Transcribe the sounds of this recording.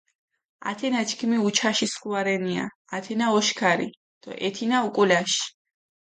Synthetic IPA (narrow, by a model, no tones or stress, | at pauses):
a̰t̪ʰɛnat͡ʃʰkʰmiut͡ʃʰaʃiskuaɾɛnia̰ːt̪ʰɛnaɔʃkʰaɾḭ | d̪̥ɔ̰ʔɛt̪ʰinaukʼulaʃi̥